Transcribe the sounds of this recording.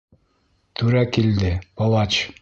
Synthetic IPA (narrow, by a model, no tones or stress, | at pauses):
t̪ʰuɾækild̪ɪpolˠɑt͡ʃ